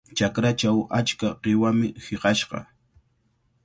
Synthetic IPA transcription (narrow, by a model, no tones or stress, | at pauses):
t͡ʃakɾat͡ʃawat͡ʃkaqɪwamɪhɪqɑʃqɑ̰